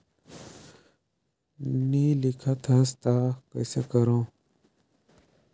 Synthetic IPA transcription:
niːlɪkʰat̪ʰɐst̪akəjsekəɾõː

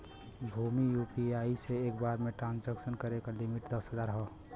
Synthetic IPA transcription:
bʱumijupiaiseekbaɾmeʈɾãnsd͡ʒəksənkəɾekalimiʈd̪əsɦəzaɾɦɔ

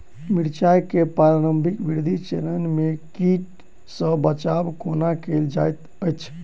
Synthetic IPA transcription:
miɽt͡ʃajkepaɾaɾəmbʱikbiɾd̪ʱit͡ʃeɾənmekiʈ | sə̃bət͡ʃabkonakeld͡ʒajt̪ | əjt͡ʃʰ

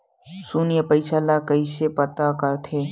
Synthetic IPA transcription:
sunjəpɐɪʃaːlakəiʃepɐt̪akɐɾt̪ʰeː

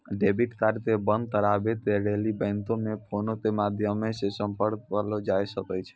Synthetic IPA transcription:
ɖebiʈt̪aɾt̪ebə̃nd̪̚t̪əɾabet̪eɾelibɛ̃ɪnt̪omepʰonot̪emad̪ʱjəmesesəmpəɽkkəɾlod͡ʒajsəkɛt͡ʃʰɛ̥

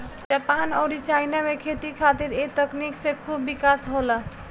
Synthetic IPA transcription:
d͡ʒapanɔʊɾit͡ʃajnamekʰet̪ikʰat̪iɾet̪əkniksẽkʰubːikasɦolə

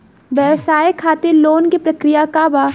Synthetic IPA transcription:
ʋjɛʋsaːjekʰaːt̪eloːnkipɾɐkɾɪjakaːba

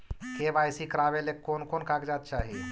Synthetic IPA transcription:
kebaːjsikɾaːʋelekːoːnkoːnkakd͡ʒaːt̪̚t͡ʃaːɦi

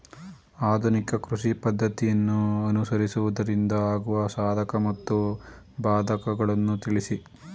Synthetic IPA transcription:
aːd̪ʱunikɐkɾuʂipɐd̪ʱːɐt̪ijɐnːuɐnusɐɾisuʋud̪ɐɾind̪ɐaːɡuʋɐsaːd̪ʱɐkɐmɐt̪ːu | baːd̪ʱɐkɐɡɐɭɐnːut̪iɭisi

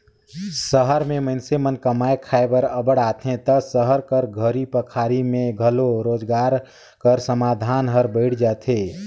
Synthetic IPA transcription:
səɦəɾmeməɪnsemənkəmaekʰaebəɾəbəɽat̪ʰɦẽt̪əsəɦəɾkəɾɡʱəɾipəkʰaɾimẽɡʱəloɾoːd͡ʒɡaɾ | kəɾsəmaːd̪ʱaːnɦəɾbəɪʈʰd͡ʒat̪ʰe

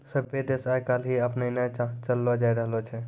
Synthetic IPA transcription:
səbed̪esajkalɦiəpnəinet͡ʃəlːɔd͡ʒajɾəɦlot͡ʃʰɛ

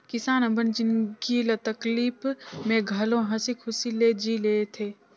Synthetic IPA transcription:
kɪsaːnɐmbənd͡ʒɪnkilɐt̪əkliːpmẽɡʱɐlõɦɐsikʰʊsiled͡ʒileːt̪ʰeː

